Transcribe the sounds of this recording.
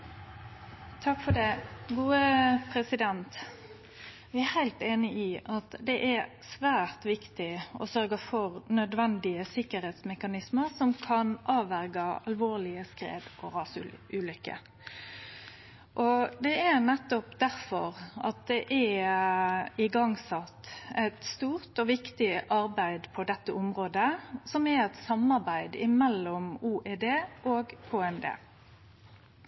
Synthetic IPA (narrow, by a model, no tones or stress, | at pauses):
t̪ʰɑkfɔd̪ɛɡuːəpʰɾɛsɪd̪ɛnt̪ | ʋɪæɾhæɪlt̪eːnɪʔɪʔɑt̪d̪ɛʔæɾ | sʋæːɾt̪ʋɪkt̪ɪɔ̰sœɾɡəfɔɾnœd̪ʋɛnd̪ɪəsɪkːəɾheːt̪smɛkɑnɪsməɾsɔmkʰɑnʔɑːʋæɾɡɑɑ̰lʋoːʁlɪəskɾḛːd̪ʔɔɾɑːsʉːlʏkːə̰ | ʔɔd̪ɛænɛt̪ːɔpd̪æɾfɔ̰ʁɑ̰t̪̚d̪ɛʔɛ | ɪɡɑŋsɑt̪ːɛt̪st̪uːʁt̪ɔʋɪkt̪ɪʔɑɾbæɪd̪pʰɔd̪ɛt̪ːəʔɔmɾoːd̪əsɔmɛʁɛt̪sɑmɑʁbæɪd̪ɪ̰mɛlːɔmuːʔeːd̪eːʔoːɡkʰoːɛnd̪ḛː